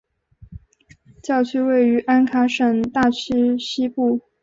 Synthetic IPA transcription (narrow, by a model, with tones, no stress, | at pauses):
t͡ɕjɑ˥˩ʊt͡ɕʰy˥we˥˩ɪy˧˥ʔa˥nkʰa˧˥ʂə˨˩ŋt̪a˥˩t͡ɕʰy˥ɕi˥pu˥˩